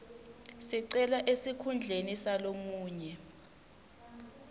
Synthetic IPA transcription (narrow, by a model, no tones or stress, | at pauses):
siǀɛlaʔesikʰund͡ɮʱenisalomuːɲɛ